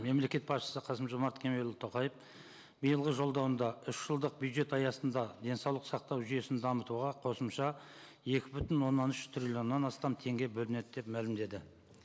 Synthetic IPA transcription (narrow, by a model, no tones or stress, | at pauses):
me̞mle̞kʲe̞t̪̚pʰɑsʃə̥səqʰɑsəmʒomɑɾt̪kʲʰe̞me̞lt̪ʰːo̞qɑjəf | bijəlˠʁəʒo̞lˠd̪ɑwənd̪ɑʏʃʒ̥əlˠd̪əq̚bʲjud̪ʒe̞t̪ɑjɑsənd̪ɑd̪e̞nsɑwlˠəqsɑq̚t̪ɑwʒyje̞sɪnd̪ɑmət̪uʁɑqʰo̞səmʃɑ | e̞kʲɪbʏt̪ɪnwo̞nːɑnʏʃt̪ʰrʲilʲjo̞nːɑnɑst̪ɑmt̪ʰe̞ŋɡʲe̞bɵlɪne̞d̪ɪd̪e̞pmælɪmd̪e̞d̪ɪ